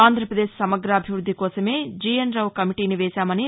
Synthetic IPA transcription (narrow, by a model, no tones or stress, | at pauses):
aːnd̪ʱɾɐpɾɐd̪eːʃsɐmɐɡɾɐːbʱiʋɾud̪ʱːikɔːsɐme̞ːd͡ʒiːjɐnɾɐwkɐmiʈiːniʋɛːʃaːmɐni